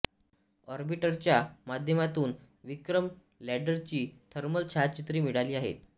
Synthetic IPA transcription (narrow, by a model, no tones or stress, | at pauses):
ɔɾbiʈəɾt͡ɕjamad̪ʱjəmat̪uːn | ʋikɾəm | læɖəɾt͡ɕiːt̪ʰəɾməlt͡ɕʰat̪̚t͡ɕit̪ɾiːmiɽaliːaɦḛt̪̚